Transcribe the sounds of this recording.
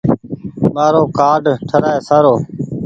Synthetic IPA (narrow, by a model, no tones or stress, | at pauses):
maːɾoːkaːɖʈʰəɾaːeːsaːɾoː